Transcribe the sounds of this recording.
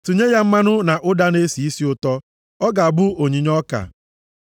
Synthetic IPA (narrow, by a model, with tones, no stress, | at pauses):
tu˨ɲe˦ja˦m̩˦ma˦nʊ˦na˨ʔʊ˦da˦ne˦si˨i˦si˦ʊ˦tɔ˦ | ɔ˦ɡa˨a˨bʊ˦o˨ɲi˨˦ɲɔ˦ka̰˨